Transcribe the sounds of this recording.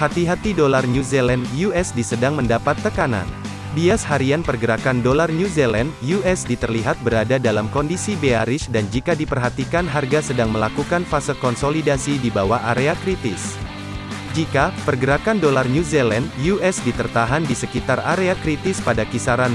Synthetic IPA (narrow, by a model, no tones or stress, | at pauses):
hat̪iɦat̪idolarnuzelandjuɛsdisədaŋməndapat̪ːəkana̰n | diashaɾianpərɡəɾakandolarnuzelandjuʔɛsdit̪ərliɦat̪̚bəɾadadalamkɔndisibeaɾɪsdand͡ʒikadipərɦat̪ikanɦarɡasədaŋməlakukanfasəkɔnsolidasidibawaaɾeakɾit̪ɪs | d͡ʒikapərɡəɾakandolarnuzelandjuʔɛsdit̪ərt̪aɦandisəkit̪araɾeakɾit̪ɪspadakisaɾan